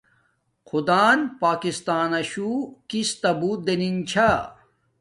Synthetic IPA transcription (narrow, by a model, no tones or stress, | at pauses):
kʰud̪aːnpaːkist̪aːnɐɕukist̪ɐbuːd̪enint͡ɕʰa